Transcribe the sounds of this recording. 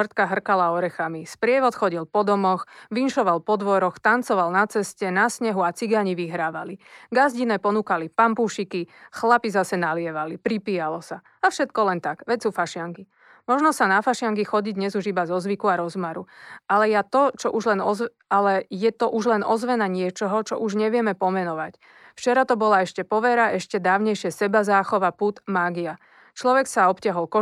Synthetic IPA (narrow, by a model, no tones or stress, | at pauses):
rt̪kaɦr̩kalaɔɾɛxamispɾɪɛʋɔt̪xɔɟilpɔd̪ɔmɔxʋinʃɔʋalpɔd̪ʋɔɾɔxt̪ant͡sɔʋalnat͡sɛscɛnasɲɛɦuat͡siɡaɲiʋiɦɾaːʋaliɡazɟinɛːpɔnuːkalipampuːʃikixlapizasɛnalɪɛʋalipɾipiːjalɔsa | afʃɛt̪kɔlɛnt̪aɡ̥ʋɛsuːfaʃɪaŋki | mɔʒnɔsanafaʃɪaŋkixɔɟiɟd̪ɲɛzuʒibazɔzʋikuaɾɔzmaɾualɛjat̪ɔt͡ʃɔʔuʒlɛnɔz | alɛjɛt̪ɔʔuʒlɛnɔzʋɛnaɲɪɛt͡ʃɔɦɔt͡ʃɔ̰ʔuʒɲɛʋɪɛmɛpɔmɛnɔʋac | ft͡ʃɛɾat̪ɔbɔlaɛʃcɛpɔʋɛɾaʔɛʃcɛd̪aːʊɲɛjʃɪɛsɛbazaːxɔʋaput̪maːɡia | t͡ʃlɔʋɛksaɔpcɪaɦɔlkɔ